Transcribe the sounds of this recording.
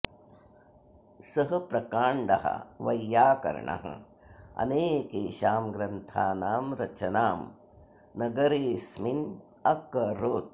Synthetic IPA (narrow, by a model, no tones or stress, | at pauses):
sɐɦɐpɾɐkaːɳɖɐ̰ɦɐ̰ʋɐjːaːkɐ̰ɾ̰ɳɐ̰ɦɐ̰ | ɐ̰neːkeːʃaːmɡɾɐnt̪ʰaːnaːmɾɐt͡ʃɐnaːm | nɐɡɐɾeːsmin | ɐkɐɾoːʈ̚